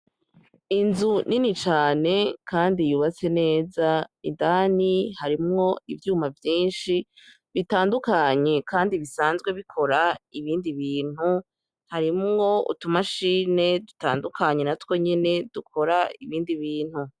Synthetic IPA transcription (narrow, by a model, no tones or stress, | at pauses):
inzuninit͡ʃaːne̞kʰaːndijuːβat͡se̞ne̞ːzaidaːnihaɾimŋo̞ivjuːmavjiːnʃi | βitaːndukaɲe̞kaːndiβisaːnzɡwe̞βikʰo̞ɾaiβiːndiβiːn̥hu | haɾimŋo̞ṵtumaʃiːne̞duta̰ːndukʰaɲenatwo̞ɲe̞ne̞d̥ukʰo̞ɾaiβiːndiβiːn̥hu